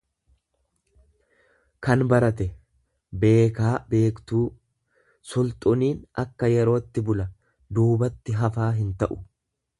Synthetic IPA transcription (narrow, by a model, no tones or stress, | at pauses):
kɐnbɐɾɐt̪ɛ | be̞ːkaːbe̞ːkt̪uː | sʊlt̪ʼʊniːnɐ̰kːɐjɛɾo̞ːt̪ːɪbʊlɐ | d̪uːbɐt̪ːɪɦɐfaːɦɪnt̪ɐʔʊ̥